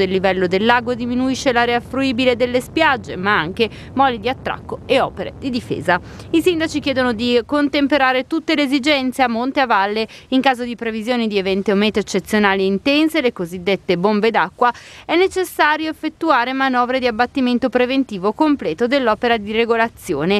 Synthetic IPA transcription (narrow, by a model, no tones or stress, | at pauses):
d̪elːivɛlːod̪elːaːɡwoed̪iminuiʃːelaːɾeafɾuiːbiled̪elːespjad͡ʒːemaaŋk̟e | mɔlid̪iat̪ːɾa̰kːoeɔ̰ːpeɾḛd̪id̪ifḛːza | isind̪at͡ʃik̟jɛːd̪onod̪ikont̪empeɾaːɾet̪ut̪ːeleːzid͡ʒɛnt̪seamːont̪eavalːeiŋkaːzod̪ipɾevizjoːnid̪ievɛnt̪eomɛːt̪oet͡ʃːet̪sːjonaːlieint̪ɛnselekozid̪ːet̪ːebombed̪akːwaɛnːet͡ʃesːaːɾjoefːet̪ːuaːɾemanɔːvɾed̪iabːat̪ːiment̪opɾevent̪iːvokomplɛːt̪od̪elːɔːpeɾad̪ireɡolat̪sːjoːne